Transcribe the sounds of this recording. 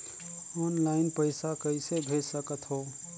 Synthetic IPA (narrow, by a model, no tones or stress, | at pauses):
ɔːnlaɪnpəɪsakəɪsebʱeːssəkət̪ɦoː